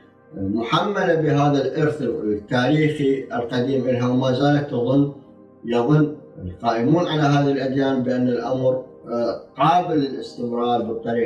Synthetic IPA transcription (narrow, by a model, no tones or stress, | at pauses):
mʊħamːalabɪɦaːðalʔʊɾθt̪ːaːɾiːxiʔɪlqɑd̪iːmʔɪlɦawmaːzaːlat̪ːɑðˤʊnː | jɑðˤʊnː | lqɑːʔɪmuːnʕalaɦaːðilʔad̪jaːnbɪʔanːalʔamɾ | qɑːbɪlɪlɪst̪ɪmɾˤɑːɾˤbɪt̪ːaːɾiː